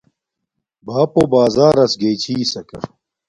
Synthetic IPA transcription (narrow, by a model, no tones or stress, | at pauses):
baːpobaːzaːɾɐsɡeːt͡ɕʰiːsɐkɐ̰